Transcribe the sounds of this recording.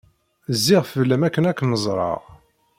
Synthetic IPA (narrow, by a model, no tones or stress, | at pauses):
zːɪʁfəlːæmækːənækːnəzˤɾˤɑ̰ʁ